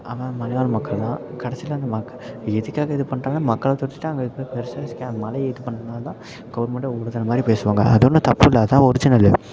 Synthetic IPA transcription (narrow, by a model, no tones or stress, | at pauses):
ɐʋãːmɐlɐʋaːɾɐmɐkːɐɭlãːkɐɽɐsɪlɐːɐnd̪ɐmɐkːɐɛðɯkːaːɣɐɪðɯpɐɳːraːnãːmɐkːɐɭɐt̪ɔʈːɪ̥ʈːãɐŋɡɐɯpːepɛɾɯsaːɐsɪ̥kːãːmɐlɐjɛðɯpɐɳːɐɾɐnaːlɐt̪ãː | kɐːɽmɐʈːɐɔɽɯðɐnɐmaːd̪ɾipeːsɯʋaːŋɡɐ̰ʔɐðɔnːɯt̪ɐpːɯɪlːɐt̪ãːɔɾɯd͡ʒɪnɐlːɯ